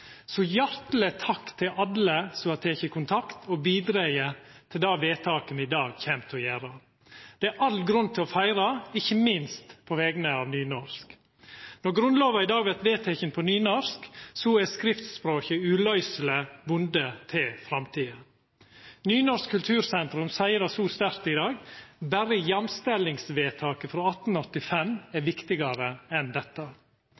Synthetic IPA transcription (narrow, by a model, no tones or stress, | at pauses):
sɔjæɾt̪lət̪ʰɑkt̪ʰɪʔɑləsɔɑt̪ʰeːçəkʰʊnt̪ʰɑkt̪ʰɔbiːd̪ɾæɪət̪ʰɪld̪ɑːʋeːt̪ʰɑːkənəɪd̪ɑːɡçɛmt̪ʰɔjæːɾɑ | d̪̥ɛæɾʔɑlɡɾʉnt̪ʰɪlɔfæɪɾɑɪçːəmɪnst̪pʰɔʋɛːɡənəɑːʋnyːnɔɾsk | nɔɾɡɾʉnloːʋɑɪd̪ɑːɡʋɛɾt̪ʋeːt̪ʰɛçənpʰɔnyːnɔɾsksɔɛskɾɪft̪spɾoːçəʉːlœʏsələbʊnd̪ət̪ʰɪlfɾɑmt̪ʰiːə | nyːnɔɾskkʰʉlt̪ʰʉːɾsɛnt̪ɾʉmsæɪəɾɑsuːst̪æɾt̪ɪd̪ɑːɡbæɾəjɛmst̪ɛlɪŋsʋeːt̪ʰɑːkəfɾoːɑt̪ːn̩ɔt̪ːɪfɛmæɾʋɪkt̪ɪɡɑɾəɛnd̪ɛt̪ːə